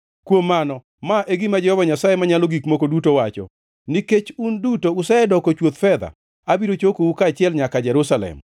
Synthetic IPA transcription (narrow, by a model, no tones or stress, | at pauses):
kwomːanɔ | maʔeɡɪmad͡ʒɛhɔvaɲasajemaɲaloɡikmokodutowat͡ʃɔ̰ | niket͡ʃundutoʊsɛɛdɔkɔt͡ʃwot̪fɛd̪a̰ | abiɾot͡ʃokoukat͡ʃɪɛlɲakad͡ʒɛɾusalɛ̰m